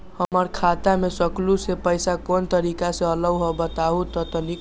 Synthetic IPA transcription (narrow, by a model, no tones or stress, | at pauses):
həməɾkʰat̪amesəklusepəjsakont̪əɾikasẽələɡɦɔbət̪aɦut̪ɔt̪əni